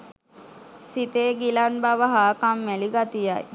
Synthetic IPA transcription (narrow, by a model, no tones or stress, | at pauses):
sit̪eːɡilanbaʋəɦaːkamːæliɡat̪ijaj